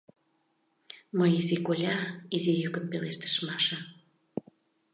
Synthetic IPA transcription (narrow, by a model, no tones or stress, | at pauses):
məjizikolʲɑizijykənpeleʃt̪ə̥ʃmɑʃɑ